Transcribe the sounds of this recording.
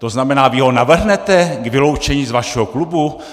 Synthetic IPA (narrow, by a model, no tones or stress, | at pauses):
t̪o̞znamɛnaːvɪɦo̞navr̩ɦnɛt̪ɛɡvɪlo̞wt͡ʃɛɲiːzvaʃɛɦoklubu